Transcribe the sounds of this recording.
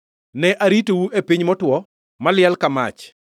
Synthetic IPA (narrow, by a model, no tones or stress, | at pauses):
nɛʔaɾitowuʔepiɲmɔtwɔ | malɪalkama̰t͡ʃ